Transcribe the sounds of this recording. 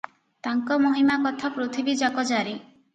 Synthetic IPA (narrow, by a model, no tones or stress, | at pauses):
t̪aŋkɔmoɦimakɔt̪ʰapɾot̪ʰibid͡ʒakɔd͡ʒaɾi